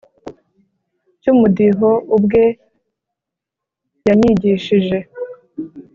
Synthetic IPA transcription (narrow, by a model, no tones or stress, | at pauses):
cumudiɦoʔubɡe̞ | jaɲiɟiʃiʒe̞